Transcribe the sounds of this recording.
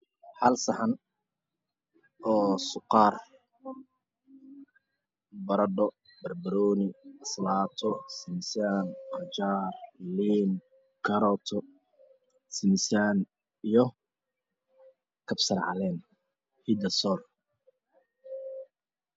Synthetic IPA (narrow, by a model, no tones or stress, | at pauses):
ħɐlsɐħɐn | ɔːsʊqɑːr | bɐɾɐɖɔ | bɐrbɐɾɔːnɪɐslaːt̪ʰɔsɪmsjaːnqɑt͡ʃaːrliːn | kʰɐɾɔːt̪ʰɔ | sɪmsaːn | ijɔ | kʰɐbsɐɾʕɑ̰lɛːn | hid̪ɐsɔːl